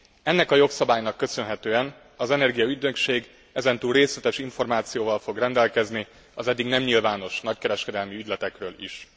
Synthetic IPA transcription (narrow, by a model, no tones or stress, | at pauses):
ɛnːɛkɒjo̞ksɒbaːjnɒkːø̞sø̞nɦɛt̪øːɛn | ɒzɛnɛrɡijɒyd̪økʃeːɡ | ɛzɛnt̪uːlreːslɛt̪ɛʃiɱfo̞rmaːt̪sijoːvɒlfo̞ɡrɛnd̪ɛlkɛzni | ɒzɛd̪ːiɡnɛmɲilvaːno̞ʃnɒckɛɾɛʃkɛd̪ɛlmiyɟʲlɛt̪ɛkrøːlḭʃ